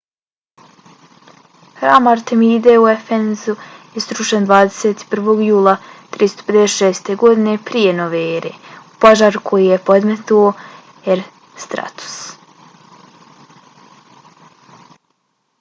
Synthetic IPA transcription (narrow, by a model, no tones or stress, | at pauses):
hɾaːmaɾt̪emiːd̪e̞uefenzujest̪ɾuʃend̪ʋaːd̪ese̞ːt̪i̥pr̩ʋo̞ːɡjuːlˠat̪ɾist̪o̥ped̪eseʃeːst̪e̞ɡo̞d̪ine̞pɾijeno̞ʋeeɾḛupoʒaːɾukʰo̞jijepo̞d̪met̪uo | eɾ | st̪ɾa̰t̪u̥s